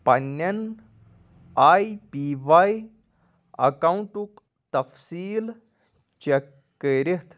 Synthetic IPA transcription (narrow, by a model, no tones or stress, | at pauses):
pɐnːɐn | aːjpiːʋaːj | ɐ̰kawuɳʈuk | t̪ɐfsiːl | t͡ʃekː | eɾit̪ʰ